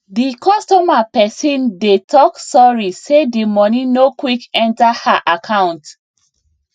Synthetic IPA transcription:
dikɔstɔmapɛsĩndetʰɔksɔɹisedimɔninokwikɛ̃ntahaʔakʰãʊ̃nt

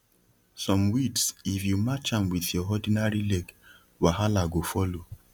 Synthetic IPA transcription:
sɔ̃mwitsifjumat͡ʃãmwiðjɔɔdinaɹilɛɡ | waɦalaɡofɔlo

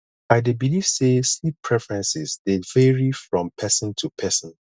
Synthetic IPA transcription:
aɪdebiliv̥seslipʰːɹɛfɛɹɛ̃nsɪzdevɛɹifɹɔ̃mpʰɛsə̃ntʰupʰɛsə̃n

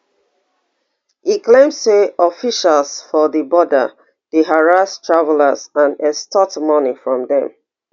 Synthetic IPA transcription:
hiklẽmsteɔfiʃalsfɔðəbɔdə̰ | ðeɦaɹastʰɹavələzãnɛstʰɔtmɔnifɹɔ̃mðɛ̰̃m

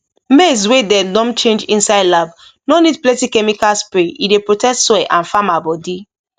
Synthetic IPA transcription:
meswedɛdɔ̃mt͡ʃẽnd͡ʒĩnsaɪdlab | nonid̚plɛ̃tikɛmikalspɾeḭdepɹotɛstsɔɛʔãnfamabɔdi

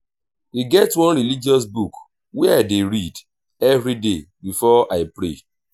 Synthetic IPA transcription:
iɡɛtwɔ̃nɾilid͡ʒiɔs̬buk | wɛaɪdeɾid | ɛvɾidebifɔʔaɪpɾḛ

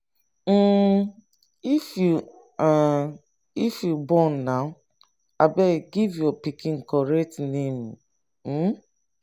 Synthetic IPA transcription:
m̩ | ifju | ifjubɔnːaʊ | abɛɡivjɔpikʰĩn̩kɔɾɛk̚tnẽm | m̩

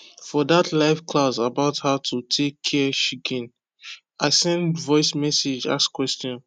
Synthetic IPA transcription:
fɔdatʰlaɪfkʰlasabaʊthatʰutʰekʰːɛʃikĩn | aɪsɛ̃ndvɔɪsmɛsed͡ʒa̰skwɛstɔ̃n

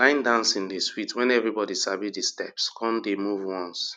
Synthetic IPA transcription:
lãɪ̃ndãnsĩndisfitwɛ̃nɛvɹibɔdisabidistɛpskʰɔ̃ndemuvwɔ̃ns

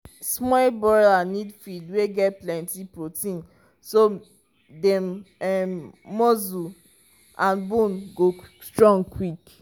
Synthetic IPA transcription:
smɔlbɔɹanidfidweɡɛtplɛ̃ntipɹotĩn | so | dɛmɛmːɔzu | ãnbũnɡostɹɔ̃ŋkwik

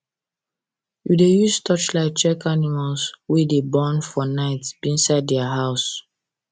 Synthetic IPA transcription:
judejustʰɔt͡ʃlaɪk̚t͡ʃɛkanimalswidebɔ̃nfɔnaɪtsbĩnsaɪddɛaɦaʊs

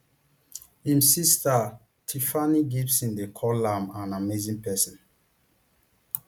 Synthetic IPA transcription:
hĩmsista | tʰifaniɡivsĩndekʰɔlãmãnamezĩŋpɛsɔ̃n

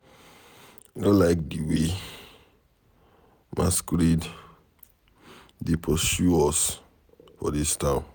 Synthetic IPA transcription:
nolaɪk̚diwe | mʔa̰skɾid | depʰɔsjuɔs | fɔ̰distãʊ̃n

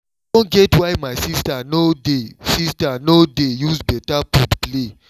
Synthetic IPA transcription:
dõnɡɛtwajmaɪsistanodesistanodejusbɛtaputple

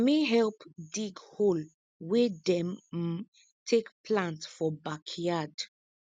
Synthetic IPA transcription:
miɦɛlpdiɡhol | wedɛ̃m | tʰekpʰlãntfɔbakʰijad

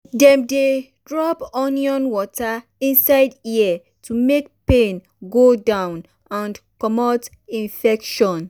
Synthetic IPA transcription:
dɛ̃mde | dɹɔpɔnjɔ̃nwɔta | ĩnsaɪdia | tumekpẽn | ɡodãʊ̃n | ãnkɔmɔt | ĩɱfɛkʃɔ̃n

